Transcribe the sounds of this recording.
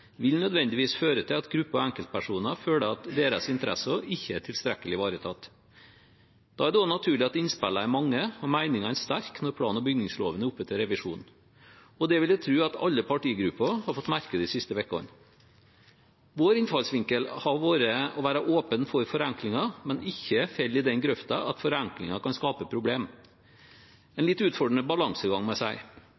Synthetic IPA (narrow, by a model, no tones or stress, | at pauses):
ʋɪlnœd̪ʋɛnd̪ɪʋiːsføːɾət̪ʰɪlɑt̪ɡɾʉpːəɾɔæŋkəlt̪̚pʰæʂuːnəføːləɑt̪d̪eːɾəsɪnt̪əɾæ̰sɔɪçːəæʈʰɪlst̪ɾɛkːəlɪʋɑːɾət̪ʰɑt̪ː | d̪̥ɑ̰ːæɖɛɔnɑt̪ʰʉːɭɪɑt̪ɪnspɛlːəæɾmɑŋːəɔmæɪnɪŋɑæst̪æɾknɔɾpʰlɑ̰ːnɔbʏɡnɪŋslo̰ːʋənəʊpːœt̪ːəɾɛʋɪʂuːnn̩ | ɔd̪ɛʋɪljæt̪ʰɾʉːɑt̪ɑ̰lːəpʰɑʈiːɡɾʉpːəhɑɾfɔt̪ːmæɾkəd̪ɪsɪst̪əʋɛkːɔ̰n | ʋoːɾɪnfɑlsʋɪŋkəlhɑɾʋoːɾəɔʋæːɾɑʔoːpənfɔɾfɔɾɛŋklɪŋɑmɛnɪçːəfɛlːɪd̪ɛnɡɾœft̪ɑɑt̪fɔɾæŋklɪ̰ŋɑkɑnskɑːpəpʰɾʊbleːm | ɛnlɪt̪ːʉːt̪fɔɖəɳəbɑlɑŋsəɡɑŋmɛsæɪ